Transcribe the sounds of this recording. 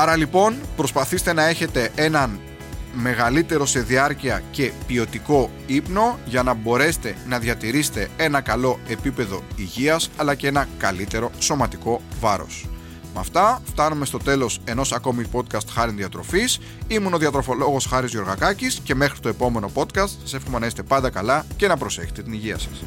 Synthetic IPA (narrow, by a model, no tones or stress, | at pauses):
ɐɾɐlipo̞npɾo̞spɐθist̪e̞nɐe̞çe̞t̪e̞ʔe̞nɐn | me̞ɣɐlit̪e̞ɾo̞seðiɐɾciɐce̞pio̞t̪iko̞ | ipno̞ʝɐnɐbo̞ɾe̞se̥t̪e̞nɐðʝɐt̪iɾise̥t̪e̞enɐkɐlo̞e̞pipe̞ðo̞iʝiɐsɐlɐcee̞nɐkɐlit̪e̞ɾo̞so̞mɐt̪iko̞vɐɾo̞̰s | mɐft̪ɐft̪ɐnume̞st̪o̞t̪e̞lo̞se̞no̞sɐko̞mipo̞t̪̚kɐst̪xɐɾinðiɐt̪ɾo̞fis | imuno̞ðiɐt̪ɾo̞fo̞lo̞ɣo̞sxɐɾizʝo̞ɾɣɐkɐcisce̞me̞xɾi̥t̪o̞e̞po̞me̞no̞po̞t̪kɐst̪sɐse̞fxome̞nɐist̪e̞pɐnd̪ɐkɐlɐce̞nɐpɾo̞se̞çet̪e̞t̪iniʝiɐ̰sɐ̥s